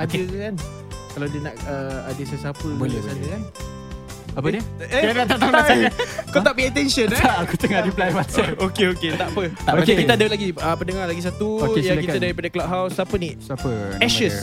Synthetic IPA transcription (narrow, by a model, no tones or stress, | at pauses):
adəkan | kalawdiənaʔəadəsasapəboləsanəkan | apənəeaat̪at̪aŋaaəkot̪aʔpiat̪ɛnsənkut̪əŋadiplawat̪sɛokeoket̪aʔpəokekit̪adəlaɡiəpənəŋalaɡis̬at̪ujakikt̪ədaɾipadəklaʔ̚ɦawsapənisaəɛʃəs